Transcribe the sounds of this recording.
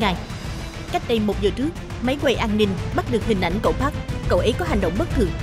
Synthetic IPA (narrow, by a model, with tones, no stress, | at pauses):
ŋaː˨˩j | ka˦˥jk̟̚ɗə˧jmo˨˩t̚zəː˨˩t͡ɕɨ˦˥ək̚ma˨˦jkwe˧˩ʔaː˧nni˧ŋɓa˦˥t̚ɗɨ˨˩ək̚hï˨˩ŋ̟ʔa̰˧˩jŋ̟ko̰˧˩wfaː˦˥k̚kə̰˧wʔə˨˦jkɔ˨˦ɦa˨˩ŋ̟ɗə̰˧˨wŋ͡mɓə˦˥t̚kɨ˧˩